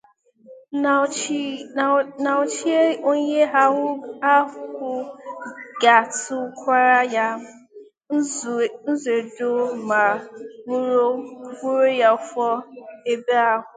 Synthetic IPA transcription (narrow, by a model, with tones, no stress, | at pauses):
na˨ʊ˨t͡ʃi˦e˦o˦ɲe˦ɦa˦ʊ˦a˦ʊ˦kkʷʊ˦ | ɡa˨tʊ˦kʷa˦ɾa˦ja˦ | n̩˦ze˨do˦ma˨u˦ɾo˦ɡu˦ɾo˦ja˦ʊ˦fɔ˦e˦be˦a˦ɦʊ˨